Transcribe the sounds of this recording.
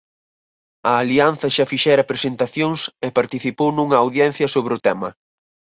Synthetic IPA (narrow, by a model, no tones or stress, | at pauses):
ɐːlianθɐʃafiʃɛɾɐpɾesent̪aθjoŋsɛpaɾt̪iθipownuŋɐːwðjɛn̟θjɐsoβɾɪʊt̪ɛmɐ̰